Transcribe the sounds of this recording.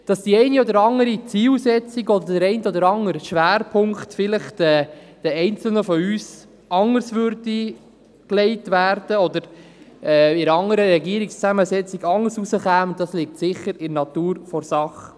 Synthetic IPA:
d̥ɑsd̥iɛɪniɔd̪əɾɑŋəɾit͡siːlsɛt͡siɡɔd̪əɾd̥əɾɛɪntɔdəɾɑŋəɾʃʋæːɾpʰʊŋktfɪləχɛːd̥ɛɛɪnt͡sl̩nəfɔyːs | ɑŋəɾsʋʏɾdi | klɛɪtʋæːɾd̥əɔd̪əɾɛːɪɾɑŋəɾəɾɛɡiəɾikst͡sæməsɛt͡siɡɑŋəɾsusəχæːmʊnttːɑslik̚tsɪχəɾɪnɑt̪uːɾfɔɾsɑχə

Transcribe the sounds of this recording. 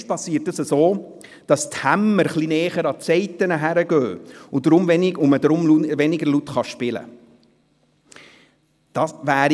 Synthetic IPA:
ʃt̚pɑsiətdəsəsoː | d̥ɑst̪hæmːəɾχlinɛːχəɾɑtt͡sɛɪt̪ənəɦæɾəɡœːʊd̥ɾʊmvɛnɪɡʊməd̪ɾʊmluʋɛnɪɡəɾlut̪χɑʃpɪlə̰ | d̥ɑsʋæːɾ

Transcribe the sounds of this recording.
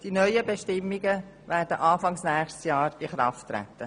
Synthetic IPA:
d̥inœʏəbeʃtɪmːiɡə | væːɾd̥əʔɑːfɑŋsnæːχʃtsjɑːɾiχɾɑ̰ftːɾæ̰t̪ːə

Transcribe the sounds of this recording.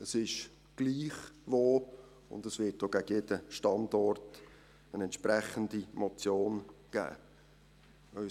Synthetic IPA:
əsɪʃ | ɡ̥liːχʋoː | ʊ̰ndəsvɪt̚d̥oɡ̥æɡ̥əjedəʃtɑndɔrt | ənɛntʃpɾæχəndimot͡sjoːnɡ̥æ̰ː | œ

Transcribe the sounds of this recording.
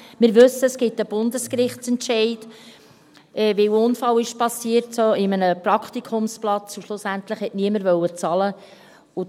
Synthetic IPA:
mɪːɾʋɵsːəəsɡ̥ɪtəb̥ʊndəskɾɪχtt͡sɛntʃɛɪd | ɛʋɪwʊnfɑwɪʃpɑsiəɾtsoɪmənəpɾɑkχt̪ikʰʊmsplɑt͡suʃlʊsænt̪ləχhɛtniəməɾvœwət͡sɑlə | ʊ

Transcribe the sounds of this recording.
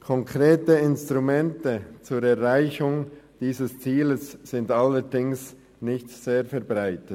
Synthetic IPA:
kʰɔŋkʰʁ̥eːtəɪnstʁumɛntət͡suːɾɛɾʁaɪçʊŋd̥iːzəst͡siːləsːɪndaləɾdɪŋs | nɪçtz̥eːfɛɾbʁaɪtə

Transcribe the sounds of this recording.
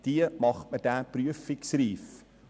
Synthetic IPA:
d̥iəmɐχmətæːpryəfiksriːf

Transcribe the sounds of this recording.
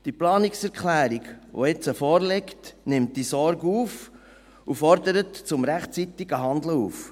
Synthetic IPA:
d̥iplɑːniksɛɾkχlæːɾiɡʋo̰ɪt͡səfɔːɾlɛktnɪmt̚d̥isɔɾɡuːf | ufɔɾdəɾətt͡sʊmɾæχtt͡sit̪iɡ̥əɦɑnd̪ləuːf

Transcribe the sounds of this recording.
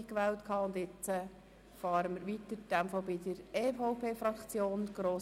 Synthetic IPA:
kʋɛːltkʰɑːʊnd̪ɪt͡sə | fɑːɾəməɾʋit̪əɾd̥æmfobidəɾefɔʊpʰeːfɾɑkt͡sjoːnɡ̥ɾoː

